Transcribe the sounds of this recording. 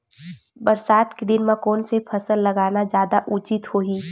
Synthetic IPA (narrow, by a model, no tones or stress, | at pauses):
bəɾsaːt̪ked̪ɪnmãkɔːnsepʰəsəlːəɡaːnad͡ʒjaːd̪aʔʊt͡ʃɪt̪hoɦiː